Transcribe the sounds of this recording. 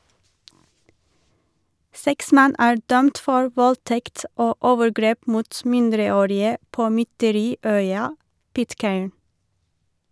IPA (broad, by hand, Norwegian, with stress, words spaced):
ˈsɛks ˈmɛn ˈæː ˈɖœmt ˈfɔɹ ˈʋɔlˌtɛkt ˈoː ˈʔoːʋəɾˌɡɾeːp ˈmuːt ˈmɪndɾəˌoːɾɪə ˈpoː mʏtəˈɾiːˌœʏɑ ˈpɪtˌkeːɳ